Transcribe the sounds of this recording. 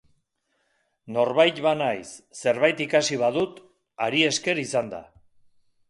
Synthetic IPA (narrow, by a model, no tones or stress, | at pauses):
no̞ɾβajt̪βanajsːe̞ɾβajt̪ikasiβ̞aðut̪ | aɾie̞ske̞ɾisand̪a̰